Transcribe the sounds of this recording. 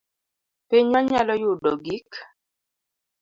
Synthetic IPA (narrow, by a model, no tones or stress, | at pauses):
peɲɔɲalɔjudɔ̰ɡik